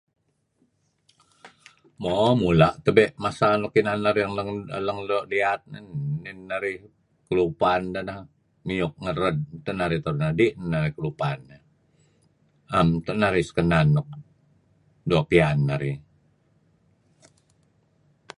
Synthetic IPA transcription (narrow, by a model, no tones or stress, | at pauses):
momulaʔt̪əbɛʔmasanokinanːaɾjaŋləŋləŋloʔliat̪̚nənːinːaɾi | kəlupand̪ənah | miʊk̚ŋəɾəd̚t̪ənaɾit̪ərnadiʔnnːaɾikəlupana | amt̪əʔnaɾisə̥kənanːɔk̚ | duapianːaɾi